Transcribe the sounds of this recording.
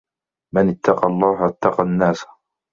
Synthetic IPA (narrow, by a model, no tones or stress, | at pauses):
manɪt̪ːɑqɑlˤːɑːɦʔat̪ːɑqɑnːaːsḁ